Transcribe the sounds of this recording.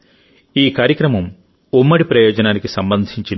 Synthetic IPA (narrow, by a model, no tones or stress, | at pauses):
iːkaːɾjɐkɾɐmɐm | umːɐɽipɾɐjoːd͡ʒɐnaːnikisɐmbɐnd̪ʱiɲt͡ʃi